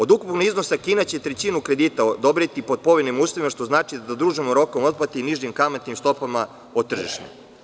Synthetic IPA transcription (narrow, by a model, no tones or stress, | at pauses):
o̞d̪ukupknizno̞sakiːnat͡ɕe̞t̪ɾet͡ɕinukɾed̪iːt̪aod̪obɾit̪ipod̪̚po̞ʋenimuːsoʋimaʃt̪o̞znaːt͡ʃid̪ad̪ad̪ɾuːʒimoɾo̞komo̞t̪̚plat̪iiniʒɲimkamat̪nimst̪o̞pama | ot̪r̩ʒḭʃnḛ